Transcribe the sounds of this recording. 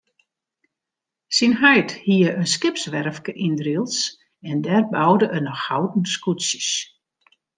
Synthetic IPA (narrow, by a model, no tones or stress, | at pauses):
sinɦœjthiəʔənskɪpsʋɛrfkəʔindrilˠs | ɛndɛrbawdəʔənɔxhawdn̩skutsjəs